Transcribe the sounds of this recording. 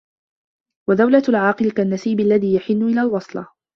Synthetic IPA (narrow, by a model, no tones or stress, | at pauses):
wad̪awlalʕɑːqɨlkanːasiːbalːaðiːjaħɪnːʊʔɪlaːlwɑsˤlɑ